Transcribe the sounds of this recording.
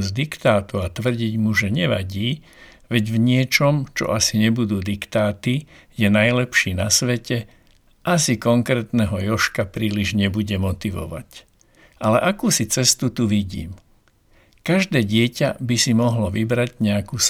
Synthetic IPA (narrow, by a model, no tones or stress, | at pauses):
zd̪ikt̪aːt̪uat̪ʋr̩ɟiɟmuʒɛɲɛʋa̰ɟiː | ʋɛɟvɲɪɛt͡ʃɔmt͡ʃɔ̰ʔasiɲɛbud̪uːd̪ikt̪aːt̪ijɛnajlɛpʃiːnasʋɛcɛ | ʔasikɔŋkɾɛːt̪nɛɦɔjɔʃkapɾiːliʒɲɛbuɟɛmɔt̪iʋɔ̰ʋa̰c | ʔalɛʔakuːsit͡sɛst̪ut̪uʋiɟḭːm | kaʒd̪ɛːɟɪɛcabisimɔɦlɔʋibɾaɟɲɛakuːs